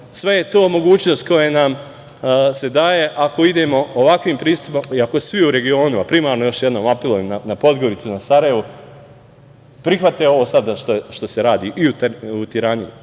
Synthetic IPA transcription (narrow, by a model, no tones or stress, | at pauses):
sʋe̞je̞t̪oːmo̞ɡuːt͡ɕno̞st̪̚ko̞jenaːm | se̞d̪aːje̞ʔako̞id̪e̞ːmo̞oʋakʋiːmpɾiːst̪upomiako̞sʋiuɾe̞ɡio̞ːnuapɾimaːɾnojo̞ʃje̞d̪no̞ːmapilˠoʋimnanapo̞d̪ɡo̞ɾit̪sunasaɾaje̞ʋu | pɾixʋat̪eo̞ʋoːsad̪ʃt̪oʃt̪o̞se̞ɾaːd̪iːʔiuut̪iɾani